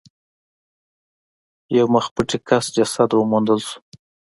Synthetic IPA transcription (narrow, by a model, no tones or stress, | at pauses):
jawməxpuʈikasd͡ʒasad̪wəmund̪əlsu̥